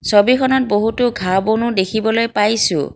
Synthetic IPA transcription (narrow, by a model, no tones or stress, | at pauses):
sɔbikʰɔnɔt̚boɦutʊɡʱabonʊdekʰibɔlojpajsʊ̰̃